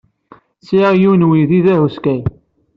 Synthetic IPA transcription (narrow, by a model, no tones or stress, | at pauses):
sijunwiðiðæɦuskæj